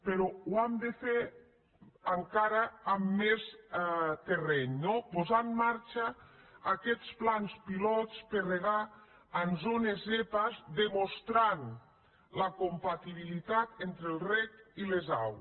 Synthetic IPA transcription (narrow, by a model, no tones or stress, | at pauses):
peɾɔwamd̪efe | əŋkaɾaːmːes | t̪erɛɲnopozamːaɾt͡ʃaːkɛt͡splanspilɔt͡spereɣaː | nzonezepazd̪emost̪ɾan | lakompat̪iβilit̪at̪ent̪ɾelˠrɛkileza̰w